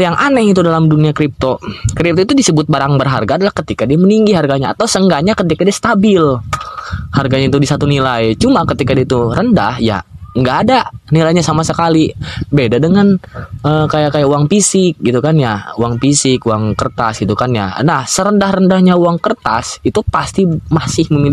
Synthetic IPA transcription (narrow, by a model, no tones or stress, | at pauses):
jaŋʔanɛhit̪udalamduniakɾip̚t̪okɾip̚t̪oit̪udisəbʊt̪̚baɾaŋbərɦa̰rɡaːdalahkət̪ikadiaməniŋɡiɦarɡaɲaa̰t̪awsəŋɡaɲakət̪ikadiast̪abɪl | harɡaɲait̪udisat̪unilajt͡ʃumakət̪ikadiait̪uɾəndahja̰əŋɡaːdanilajɲasamasəkalibedadəŋanəːkajakajaʔuaŋpisɪk̚ɡit̪ukanjauaŋpisɪkuaŋkərt̪asɡit̪ukanja̰nahsəɾəndahrəndahɲawaŋkərt̪a̰sit̪upast̪imasɪhməmil